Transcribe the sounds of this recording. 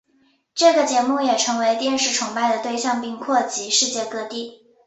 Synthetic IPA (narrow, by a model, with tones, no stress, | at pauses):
ʈ͡ʂɤ˥˩ɡə˩t͡ɕjɛ˧˥mu˥˩jɛ˨˩ʈ͡ʂʰɤ˧˥ŋwe˧˥ɪt̪jɛ˥˧nʂɻ̩˥˩ʈ͡ʂʰʊ˧˥ŋpa˥˩ɪd̪ə˩t̪we˥˧ɪɕjɑ˥˧ŋpi˥˧ŋkʰwɔ˥˩t͡ɕi˧˥ʂɻ̩˥˧t͡ɕjɛ˥˧kɤ˥˧t̪i˥˩